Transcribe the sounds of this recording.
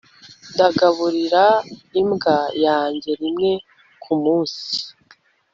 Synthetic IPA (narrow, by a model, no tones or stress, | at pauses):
ndaɡaβuɾiɾaimɡajaːɲɟe̞ɾimŋe̞ | kʰumuːnsi̥